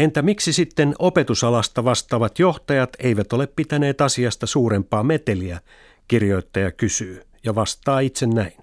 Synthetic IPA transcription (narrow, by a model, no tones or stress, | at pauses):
ent̪æmiksisit̪ːenope̞t̪usɑlɑst̪ɑʋɑst̪ˑɑːʋɑt̪jo̞ht̪ɑjɑt̪eijʋæt̪o̞leppit̪æne̞ːt̪ɑsiɑst̪ɑsuːrempɑːmet̪eliæ | kirjo̞it̪ːɑjɑkysyː | jɑʋɑst̪ˑɑːit̪sennæin